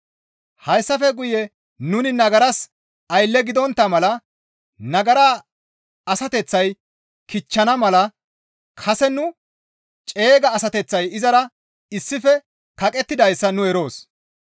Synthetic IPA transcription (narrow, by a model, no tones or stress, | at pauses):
hɐjsːɐfɛɡʊjɛ | nʊnɪnɐɡɐɾɐs | ɐjlːɛɡɪd̪ɔnt̪ːɐmɐlɐ | nɐɡɐɾa | ɐsɐt̪ɛt͡sːɐj | kɪt͡ʃːɐnɐmɐlɐ | kʰɐsɛnʊ | t͡ʃʼe̞ːɡɐːsɐt̪ɛt͡sːɐjɪzɐɾɐ | ɪsːɪfɛ | kɐkʼɛt̪ːɪd̪ɐjsːɐnʊɛɾo̞ːs